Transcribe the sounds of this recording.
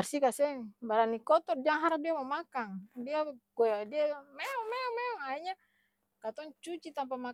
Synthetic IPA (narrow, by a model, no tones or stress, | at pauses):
arsikasɛŋbaɾanːikɔt̪ɔrd͡ʒaŋɦaɾadiamamakaŋdiaɡɔjadiamɛɔmɛɔmɛɔŋaiɲa | kat̪ɔŋt͡ʃut͡ʃit̪ampama